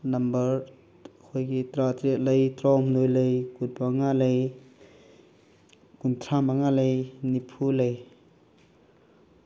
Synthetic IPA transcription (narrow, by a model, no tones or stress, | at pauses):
nɐmbəɾ | hʰojkit̪ɾat̪ɾiʔ̚ləjt̪ɾɔmnojləjkut̚baŋaləj | kuntʰamaŋaləjnipʰuləj